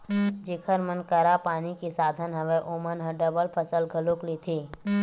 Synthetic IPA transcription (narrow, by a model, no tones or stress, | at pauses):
d͡ʒɪkʰəɾmənkəɾapaːnikisaːd̪ʱənɦəʋeʔomənɦə̃ɖəbəlpʰəsəlɡʱəluklit̪ʰiː